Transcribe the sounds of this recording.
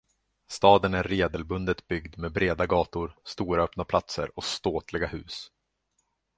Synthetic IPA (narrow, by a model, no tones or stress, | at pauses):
st̪ɑːd̪ənæɾːeːd̪əlbɵnd̪ət̪bʏɡd̪meːbɾeːd̪aɡɑːt̪ʊɾst̪uːɾaœpnapʰlat̪sə̰ɾɔst̪oːt̪lɪɡahʉ̟ːs